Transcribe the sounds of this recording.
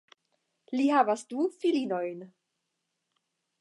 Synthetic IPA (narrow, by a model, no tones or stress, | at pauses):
lihaːvasd̥ufilinojn